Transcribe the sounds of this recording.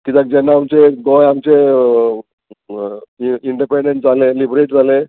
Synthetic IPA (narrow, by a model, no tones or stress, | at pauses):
kit̪ak̚d͡ʑɛnːaːmt͡ɕeɡɔjamt͡ɕe | iɳɖipeɳɖeɳʈ̚d͡zʱalelibɾeʈ̚d͡zʱale